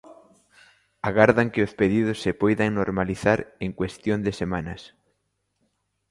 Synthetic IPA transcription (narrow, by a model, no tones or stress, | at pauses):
aɣaɾðaŋkɪospeðið̞ʊsːepojðaŋnoɾmaliθaɾeŋkwest̪jond̪ɪsemanɐs